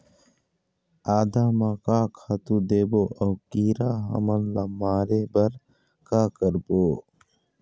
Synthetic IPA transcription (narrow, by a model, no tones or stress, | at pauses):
aːd̪aːmãkaːkʰaːt̪ud̪eːboːʔəːkiːɾaːɦə̰mənlɐmːaːɾebəɾ | kaːkəɾboː